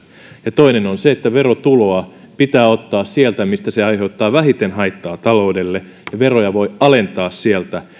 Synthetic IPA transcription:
jɑt̪o̞inenonseet̪ːæʋe̞ɾo̞t̪uloɑ | pit̪æːo̞t̪ːɑːssielt̪æmist̪æseɑjɦe̞ut̪ːɑːʋæɦit̪enɦɑjt̪ːɑːt̪ɑlo̞ude̞lːe | jɑʋe̞ro̞jɑʋo̞jɑle̞nt̪ɑːssielt̪æ

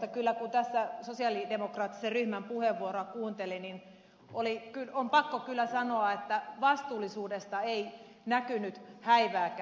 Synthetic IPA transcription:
t̪ɑkylːækut̪æsːæsosiɑˑlidemokrɑːt̪ːi̥serryhmæmpuheʋːuoɾoɑkuːnt̪elinin | ʔolikylompɑkːokylːæsɑnoɑet̪ːæʋɑst̪uːlisuːdest̪ɑei | nækynyt̪hæiʋæːk

